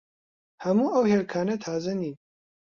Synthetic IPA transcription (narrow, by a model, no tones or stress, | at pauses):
hɐmuːʔɐwheːlkʰaːnɐt̪ʰaːzɐniː